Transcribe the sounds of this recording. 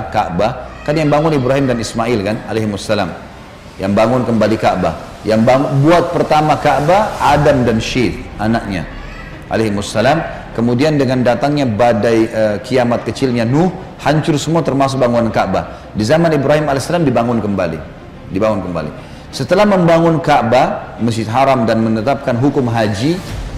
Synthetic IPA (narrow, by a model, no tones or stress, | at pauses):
kaʔbahkanjaŋbaŋʊnibɾaɦimdanismaɪlkana̰leɦmusːala̰m | jaŋbaŋʊnkəmbalikaʔba̰ | jaŋbaŋbuat̪̚pərt̪amakaʔbaadamdanʃɪt̪̚ʔanak̚ɲa̰ | ʔa̰leɦmʊsːalam | kəmudiandəŋandat̪aŋɲabadajəkʰiamat̪̚kət͡ʃɪlɲanʊh | haɲt͡ʃʊrsəmuat̪ərmas̬ʊk̚baŋunankaʔba | dizamanibɾaɦimalasalamdibaŋʊnkəmba̰lḭ | dibaŋʊnkəmba̰lḭ | sət̪əlahməmbaŋʊnkaʔbaməst̪ɦaɾamdanmənət̪ap̚kanɦukʊmɦad͡ʒi